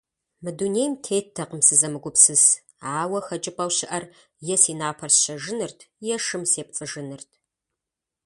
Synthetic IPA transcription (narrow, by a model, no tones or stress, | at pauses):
mɨdunejmtʰeːtʰːɐqəmsɨzɐmɨɡʷʊpsɨs | aːwɐxɐt͡ʃʼɪpʼɐwɕɪʔɐr | jɛsiːnaːpʰɐrsɕɐʒɨnɨrtʰjɛʂɨmseːp̚t͡sʼɨʒɨnɨrtʰ